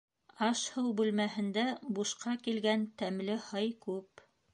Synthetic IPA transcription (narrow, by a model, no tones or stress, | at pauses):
ɑʃhɤwbʉlmæhɘ̆nd̪æbuʃqɑkilɡænt̪æmlɘhɤjkʉp